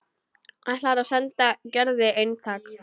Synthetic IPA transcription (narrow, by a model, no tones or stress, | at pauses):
alaːɾawsɛnt̪acɛɾðɪejnt̪ʰaːk